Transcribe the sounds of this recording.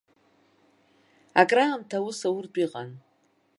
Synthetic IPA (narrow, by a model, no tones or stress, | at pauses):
akʼramtʰawusawʊrdʼiqʼan